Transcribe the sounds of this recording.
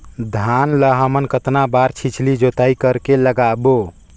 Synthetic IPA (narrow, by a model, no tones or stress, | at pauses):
d̪ʱanləɦəmənkət̪nabaɾt͡ʃʰit͡ʃʰlid͡ʒot̪aikəɾkeləɡabo